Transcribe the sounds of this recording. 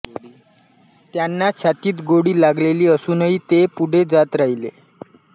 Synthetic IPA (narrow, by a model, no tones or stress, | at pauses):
t̪janːat͡ɕʰat̪iːt̪ɡoɽiːlaɡleliːəsuːnəɦit̪epuɽ̤ʱed͡zat̪ɾaɦilḛ